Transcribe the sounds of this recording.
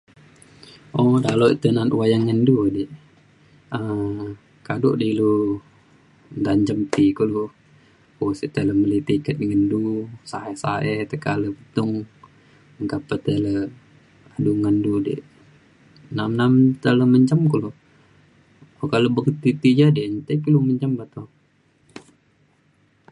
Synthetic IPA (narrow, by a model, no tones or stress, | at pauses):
odaloit̪ənat̪wajaŋːəndudiʔ | ə | kadoʔdilu | nd̪aɲd͡ʒəmt̪ikulu | osit̪ələməlit̪ikət̪̚ŋəndusaesaet̪əkaləbət̪ʊŋ | əŋkapət̪ələ | aduŋəndudḛʔ | namnamt̪ələməɲd͡ʒəmkəlu | okalobərt̪it̪id͡ʒadent̪ekiluməɲd͡ʒəmbat̪o